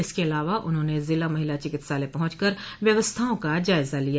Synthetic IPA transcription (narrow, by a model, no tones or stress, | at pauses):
ɪskeɐlaːʋaʔʊ̰nɦõːnezɪlamɐɦɪlat͡ʃɪkɪt̪saːlepɐɦʊ̃t͡ʃkəɾ | ʋjɐʋəst̪ʰaõkad͡ʒaːɪzalija